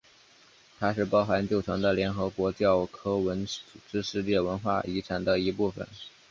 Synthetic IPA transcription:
t̪ʰa˥ʂɻ̩˥˧pɑ˥˩ʊxa˧˥nt͡ɕjo˥˩ʊʈ͡ʂʰɤ˧˥ŋd̪ə˧ljɛ˧˥nxɤ˧˥kwɔ˧˥t͡ɕjɑ˥˩ʊkʰɤ˥wə˧˥nt͡su˨˩ʈ͡ʂɻ̩˥ʂɻ̩˥˧ljɛ˥˩wə˧˥nxwa̰˥˩i˧˥ʈ͡ʂʰa˨˩nd̪ə˧i˧˥pu˥˩fə̰˨˩n

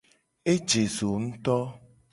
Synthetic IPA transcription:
e˦d͡ʒe˨zo˨ŋ̩̃˦t̪ɔ˦

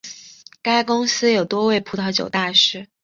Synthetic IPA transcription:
ka˥ɪkʊ˥ŋsɹ̩˥jo˨˩ʊt̪wɔ˥we˥˩ɪpʰu˧˥t̪ʰɑ˧˥ʊt͡ɕjo̰˨˩ʊt̪a˥˧ʂɻ̩˥˩

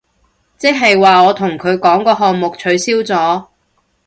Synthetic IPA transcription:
t͡sɪ˥k̚ɦɐ˨jwaː˨ɔː˨˧t̪ʰʊ˨˩ŋkʰɵ˨˧ɥkɔː˨˥ŋkɔː˧ɦɔː˨ŋmʊ˨k̚t͡ʃʰɵ˨˧˥ɥsiː˥wt͡sɔː˨˥

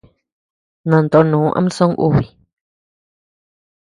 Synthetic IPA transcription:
nã˨nt̪o˧˨nũː˨˦ʔã̰˧˦m˦sõ˦ŋʔṵ˧˨βi˨

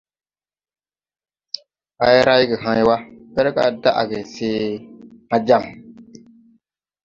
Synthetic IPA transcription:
ha˨jɛ˦ɾa˦jɡɪ˨ɦa˦ɲ˦wa˦bɛ˦ɾka̰˨da˦ʔa̰˨ɡɛ˨seː˦ŋa˦d͡ʒa˦˨m˨

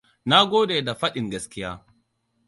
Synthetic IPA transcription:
na˦ɡʷoː˦deː˨da˨ɸɐ˦ɗɪ˨ŋɡɐ˦skʲɪ˦jaː˦

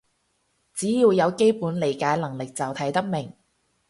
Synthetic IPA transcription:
t͡siː˨˥jiː˨˧wjɐ˨˧wke˥jpuː˨˥nle˨˩jkaː˨˥jlɐ˨˩ŋlɪ˨k̚t͡sɐ˨wt̪ʰɐ˨˥jt̪ɐ˥k̚mɪ˨˩ŋ

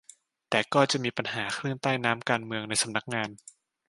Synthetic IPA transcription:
t̪ɛː˨˩kɔː˥˩t͡ɕa˨˩ʔmiː˧pa˧nhaː˩˦kʰɾɯː˥˩ənt̪aː˥˩jnaː˦˥mkaː˧nmɯ˧əŋna˧jsa˧mna˦˥k̚ŋaː˧n

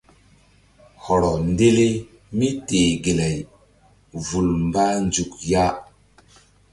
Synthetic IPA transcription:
hɔ˨ɾɔ˨nde˦le˦ | mi˦te˨ɡi˨la˨j | vu˨lmba˦nd͡ʒu˨kja˦

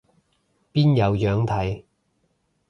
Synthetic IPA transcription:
piː˥njɐ˨˧wjœː˨˥ŋt̪ʰɐ˨˥j

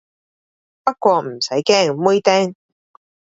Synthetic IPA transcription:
pɐ˥t̚kʷɔː˧m̩˨˩sɐ˨˥jkɛː˥ŋmu˥jt̪ɛː˥ŋ

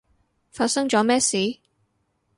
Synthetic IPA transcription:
faː˧t̚sɐ˥ŋt͡ʃɔː˨˥mɛː˥siː˨˥˦

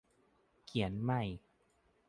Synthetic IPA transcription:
kʰi˨˩˦ənma˥˩j

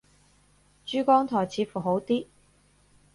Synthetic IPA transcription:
t͡ʃyː˥kɔː˥ŋt̪ʰɔː˨˩jt͡sʰiː˨˥fuː˨˩ɦo˨˥wt̪iː˥

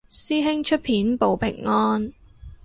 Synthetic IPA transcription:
siː˥ɦɪ˥ŋt͡ʃʰɵ˥t̚pʰiː˨˥npo˨wpɪ̰˨˩ŋːɔː˥n

